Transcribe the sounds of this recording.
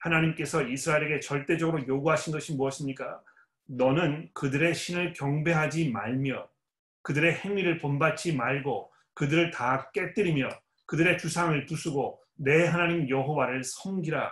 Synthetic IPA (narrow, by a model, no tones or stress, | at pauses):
hanaɲimk͈e̞sʰʌisʰɯɾaeɾe̞ɡe̞t͡ɕʌɭt͈e̞d͡ʑʌɡɯɾojoɡuɦaɕʰinɡʌɕʰimuʌɕʰimɲik͈a | nʌnɯnkɯdɯɾe̞ɕʰinɯɭkjʌŋbe̞ɦad͡ʑimaɭmjʌ | kɯdɯɾe̞he̞ŋɥiɾɯɭponbat͡ɕ͈ʰimaɭɡo | kɯdɯɾɯɭtak͈e̞t͈ɯɾimjʌ | kɯdɯɾe̞t͡ɕusʰaŋɯɭpusʰuɡo | ne̞ɦanaɲimjʌɦowaɾɯɭsʰʌŋɡiɾa̰